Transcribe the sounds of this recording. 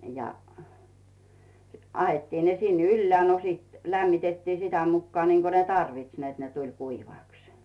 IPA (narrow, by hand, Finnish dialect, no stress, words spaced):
jɑ ɑhetːiːn ne sin ylːĕæˑ no siːt læmːitetːiː sitæ mukːŏɑˑ niːŋko ne tɑrʋits net ne tulʲ kuiʋɑˑks